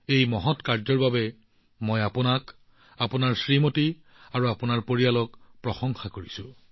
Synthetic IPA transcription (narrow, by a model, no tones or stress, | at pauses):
ejmɔɦɔtkaɹzɔɹbabɛ | mojapʊnak | apʊnaɹsɹimoti | aɹuapʊnaɹpoɹialɔkpɹɔxɔŋxakoɹisʊ̃